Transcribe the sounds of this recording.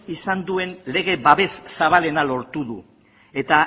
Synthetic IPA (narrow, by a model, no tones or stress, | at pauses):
isand̪ue̞nle̞ɣe̞βaβe̞sːaβale̞nalo̞ɾt̪uðu | e̞t̪a